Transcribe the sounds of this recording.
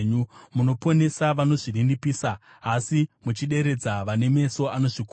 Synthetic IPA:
ɲumuno̞po̞ne̞saʋano̞ʐirindipiːsa | asimut͡ʃiɗe̞ɾe̞d͡zaʋane̞me̞so̞ano̞ʐik

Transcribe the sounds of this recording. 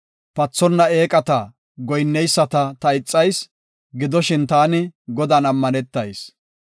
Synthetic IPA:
pɐt͡sːɔnːɐe̞ːkʼɐt̪ɐ | ɡɔjnːɛjsːɐt̪ɐt̪ɐɪt͡sʼːɐjs | ɡɪd̪ɔʃɪnt̪aːnɪɡɔd̪ɐnɐmːɐnɛt̪ːɐjs

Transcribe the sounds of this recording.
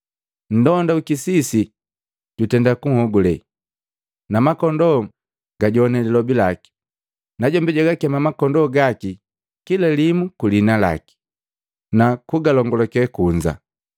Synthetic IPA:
n̩dɔndaukisisi | ɟutɛndakuŋ̩hɔɡulɛ | namakɔndɔ | ɡaɟɔnɛlilɔbilaki̥ | naɟɔmbɛɟaɡakɛmamakɔndɔɡaki | kilalimukulinala̰ki̥ | nakuɡalɔŋɡɔlɔkɛkuɲd͡ʒa̰

